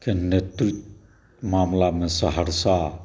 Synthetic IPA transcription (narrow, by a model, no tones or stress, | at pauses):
kʰenet̪ɾit̪̚ | mamlamesəɦəɾsa